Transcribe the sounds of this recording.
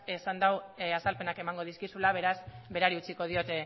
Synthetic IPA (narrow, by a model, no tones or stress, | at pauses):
esand̪awasalpe̞nake̞maŋɡo̞ð̞iskisulaβ̞e̞ɾazbe̞ɾaɾiut͡siko̞ð̞io̞t̪e̞